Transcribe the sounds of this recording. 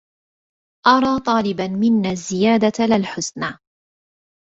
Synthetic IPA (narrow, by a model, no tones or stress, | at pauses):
ʔɑɾˤɑːt̪ˤɑːlɪbanmɪnːaːzːɪjaːd̪alɪlħʊsnaː